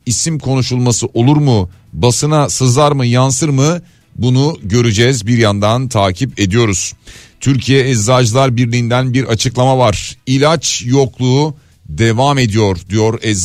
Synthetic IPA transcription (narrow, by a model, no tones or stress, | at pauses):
isimkʰo̞nuʃulˠmasɯʔo̞lˠuɾmu | basɯnasɯzaɾmɯjansɯɾmɯ | bunuɟø̞ɾyd͡ʒɛzbiɾjand̪ant̪ʰaːcʰipe̞d̪ijo̞ɾuz̥t̪ʰyɾcʰijɛɛzːad͡ʒlˠaɾbiɾlʲiːnd̪ænbiɾʔat͡ʃʰɯklˠamavaɾ̥ilʲat͡ʃjo̞klˠuː | d̪e̞vame̞d̪ijo̞ɾd̪ijo̞ɾɛ